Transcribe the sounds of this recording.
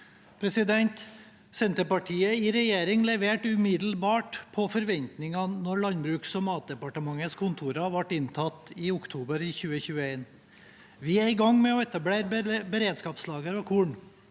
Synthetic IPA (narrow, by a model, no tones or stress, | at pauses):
pʰɾɛsɪd̪ɛnt̪ | sɛnt̪əpɑʈʰiːəɪɾɛjeːɾɪŋlɛʋeːʈʉmɪd̪l̩bɑːʈpʰɔfɔɾʋɛnt̪nɪŋɑnɔɾɭɑnbɾʉːksɔmɑːt̪̚d̪ɛpɑʈəmɑŋːəskʰʊnt̪ʰuːɾɑʋɑʈːɪnt̪ʰɑt̪ːɪʊkt̪ʰuːbəɾɪçʉːəçʉːəeːn | ʋɪæɾɪɡɑŋmɛɔɛt̪ɑbleːɾbəɾeːd̪skɑːpslɑːɡəɾɔkʰuːɳ